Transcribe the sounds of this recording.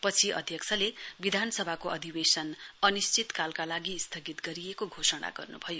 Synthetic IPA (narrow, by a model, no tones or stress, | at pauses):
pʌt͡sʰiʔʌ̰d̪ʱjʌkt͡sʰʌlebid̪ʱansʌbʱakoʌd̪ʱibesʌnʌnist͡sit̪kalkalaɡist̪ʰʌɡit̪ɡʌɾijekoɡʱosʌɽa̰ɡʌ̰rnṵbʱʌjo